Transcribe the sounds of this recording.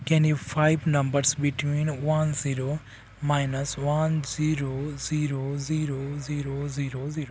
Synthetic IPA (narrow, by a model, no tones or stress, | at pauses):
kɛ̃nifaɪʋnɐ̃mbəɾsbiʈwĩːnʋɐnziːɾoː | maɪnɐsʋɐnziɾoziːɾoziːɾoziːɾoziːɾoziːɾo